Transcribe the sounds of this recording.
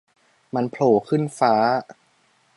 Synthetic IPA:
ma˧npʰloː˧˩kʰɯ˥˩nfaː˦˥

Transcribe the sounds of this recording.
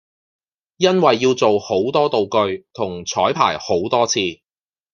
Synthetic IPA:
jɐ˥nwɐ˨jːiː˧wt͡so˨who˨˥wt̪ɔː˥t̪o˨wkɵ˧ɥt̪ʰʊ˨˩ŋt͡sʰɔː˨˥jpʰa̰ː˨˩jho˨˥wt̪ɔː˥t͡sʰiː˧

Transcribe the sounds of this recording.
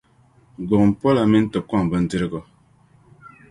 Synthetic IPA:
ɡɔ˨ŋ˨m̩˨pɔ˦la˨mi˦n̩˦tə˨p̚kwa˦˨ŋ˨bə˦n̩˦di˦ɾi˦ɡɔ˨

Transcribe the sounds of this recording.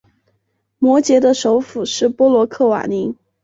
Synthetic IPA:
mwɔ˧˥t͡ɕjɛ˧˥d̪ə˧ʂo˧˥ʊfu˨˩ʂɻ̩˥˩pwɔ˥lwɔ˧˥kʰɤ˥˩wa̰˨˩ni˧˥

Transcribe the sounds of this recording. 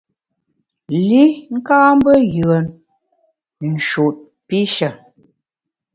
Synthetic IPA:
li˦ŋ̩˦kaː˦m̩˦bə˦jɯ˨ə˨n | n̩˨ʃu˨t̚ | pi˦ʃə˨

